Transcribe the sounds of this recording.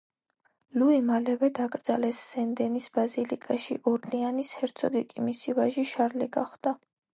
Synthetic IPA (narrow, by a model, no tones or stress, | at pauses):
luimalɛvɛd̪akʼɾd̪zalɛsːɛnd̪ɛnisbazilḭkʼaʃḭʔɔɾlianishɛɾt̪sʰɔd̪ikʼimisivaʒiʃaɾlɛɡa̰χd̪a